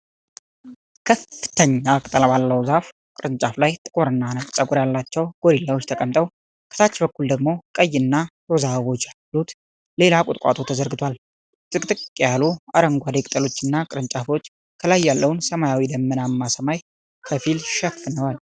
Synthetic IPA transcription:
kʰəfːɨt̪ʰəɲːakʼt̪ʼəlabalːəwzaf | kʼɨɾɨnt͡ʃʼaflajt̪ʼɨkʼoɾɨnːanəfʼt͡ʃʼəɡʼuɾjalːat͡ʃːɛwɡ̥o̞ɾilːawot͡ʃːt̪ʰəkʼəmt̪ʼəw | kʰə̥t̪ʰat͡ʃːbəkːuld̪əɡmo̞kʼəjːɨnːat̪ozaβo̞t͡ʃːalut̪ | le̞lakʼʊt̪ʼkʼa̰t̪ʰo̞t̪ʰəzəɾɡɨt̪ʰwal | zʼɨkʼt̪ʼɨkʼkʼjalua̰ɾəŋɡʷad̪ekʼt̪ʼəlo̞t͡ʃːɨnːakʼɨɾɨnt͡ʃʼafo̞t͡ʃː | kʰəlajːalːəwnsəmajawid̪əmːənamːasəmaj | kʰəfilʃɛfːɨnəwal

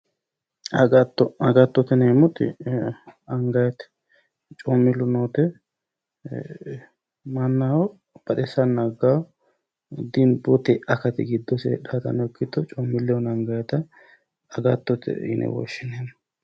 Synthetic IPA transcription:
ɐɡt̪ːɔɐɡɐt̪ːɔt̪ɪnemɔt̪ɪ̰ | ɐŋɡɐjɛt̪ | t͡ʃʼɔmːɪlːʊnoːt̪ɛ | mɐnːaɔ | b̥ɐɗ̪ɛsɐnːɐɡaw | d̪ɪnbɔt̪ɛʔɐkɐt̪ɪɡɪd̪ːɔsɛ̰ᶑat̪ɐ̰nɔkʰːɪt̪ːɔt͡ʃʼɔmːɪlːɛɔnɐŋɡɐjɛt̪ɐ | ɐɡɐt̪ːɔt̪ɛ̰ɪ̰nʔɛ̰wɔ̰ʃːɪnem

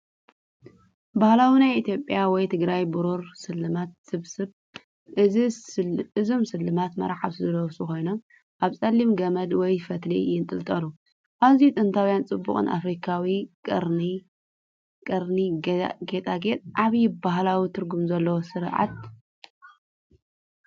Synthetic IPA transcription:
bahlawinajʔit̪ʰjo̞pʼjawɔjt̪ʰɨɡɾajbɨɾuɾsɨlːɨmat̪̚sɨβsɨβ | ɨ | ɨzomsɨlːɨmat̪mɐ̰ɾaħa̰βsɨzɐlɐwsuko̞jnom | ʔaβsʼɐlːimɡɐmɐlwɔjfɐt̪lḭjɪnt̪ʼɨlt̪ʼɐlu | ʔaβzijut̪ʼɨnt̪ʰawjant͡sʼɨbːṵkʼɨ̰nʔa̰fɾikʰawikʼɨɾni | kʼɐɾniɡet̪ʼaɡet̪ʼʔaβjibaɦlawit̪ʰɨɾɡumzɐlːɐwosɨɾʕa̰t̪̚

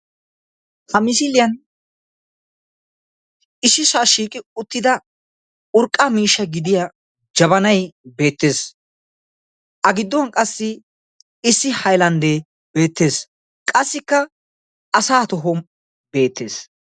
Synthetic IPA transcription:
hɐmɪs̬ɪlɪjɐn | ɪsːɪsaːʃiːkʼɪʊt̪ːɪd̪ɐ | ʊɾkʼːamiːʃːɐɡɪd̪ɪja | d͡ʒɐβɐnɐjbe̞ːt̪ːe̞ːs | ʔɐɡɪd̪ːɔɐnkʼɐsːɪ | ɪsːɪhɐjlɐnd̪eː | be̞ːt̪ːe̞ːs | kʼɐsːɪkːɐ | ɐsaːt̪ɔɦɔm | be̞ːt̪ːe̞̰ːs

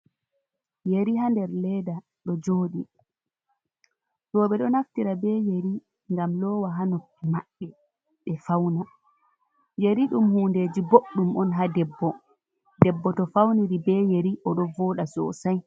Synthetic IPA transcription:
jeɾiɦandɛɾlɛda | ɗɔd͡ʒoːɗi | ɗɔːɓɛɗɔnaftiɾabɛjeɾi | ŋɡamlɔːwaɦanokːimaɗːɛ | ɓɛfawna | jeɾiɗumhuːndeːd͡ʒiboɗːumʔɔnɦadɛbːɔ | dɛbːɔtɔfawniɾibɛjeɾiʔɔɗɔvɔːɗasɔ̰saj

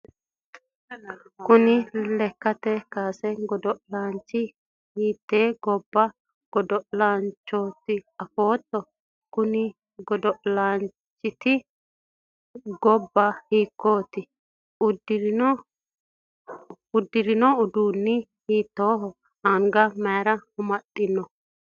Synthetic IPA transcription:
kʊnɪlɛkːɐt̪ːɛkaːsɛɡɔd̪ɔʔlaːnt͡ʃːɪ | hiːt̪ːeːɡɔbːɐ | ɡ̥ɔd̪ɔʔlaːnt͡ʃːoːt̪ːɪɐfoːt̪ːɔ | kʊnɪ | ɡɔd̪ɔʔlaːn | t͡ʃːɪt̪ɪ | ɡɔbːɐhiːkːo̞ːt̪ɪ | ʊd̪ɪ | ʊd̪ːɪɾɪnɔʊd̪uːnːɪ | hiːt̪ːoːɦɔ | ɐŋɡɐmɐjɾɐhʊmɐt̪ʼːɪnːɔ

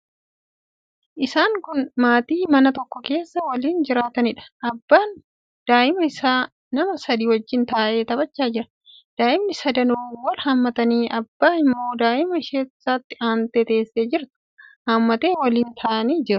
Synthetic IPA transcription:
ʔɪsaːŋkʊnmaːt̪iːmɐnɐt̪ɔkːɔke̞ːsːɐwɐliːnd͡ʒɪɾaːt̪ɐnɪᶑɐ̥ʔɐbːaːn | d̪̥aːʔɪmɐɪsaː | nɐmɐsɐd̪iːwɐd͡ʒːɪnt̪aːʔe̞ːt̪ɐbɐt͡ʃːaːd͡ʒɪɾɐ̥ | d̪̥aːʔɪmnɪsɐd̪ɐnuːwɐlhɐmːɐt̪ɐniːʔɐbːaːɪmːo̞ːd̪aːʔɪmɐɪʃe̥ːsaːt̪ːɪaːnt̪eːt̪e̞ːsːeːd͡ʒɪɾt̪ʊ̥ | haːmːɐt̪e̞ːwɐliːnt̪ʰaːʔɐniːd͡ʒɪɾʊ̥

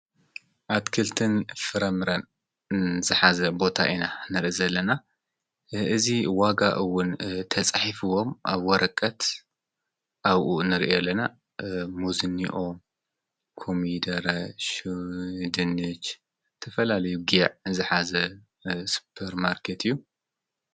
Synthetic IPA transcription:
ʔat̪kʰɨlt̪ʰɨnfɨɾɐmɨɾɐn | zɨħazɐbo̞t̪ʰa̰ʔinanɨɾʔizɐlːɐna | ɨziwaɡa̰ʔɨwʊnt̪ʰɐt͡sʼaħifɨwo̞mʔa̰βwɔɾʔɐkʼːɐt̪ | ʔaβʔunɨɾiʔijɛlːɐna | muzɨnːiʔo | kʰomid̪ɐɾaʃ | d̪ɨnɨt͡ʃ | t̪ʰɐfɐlalɐjuɡʕzɨħazɐ | su̥pʰɐɾmaɾkʰet̪ʰɨjːu

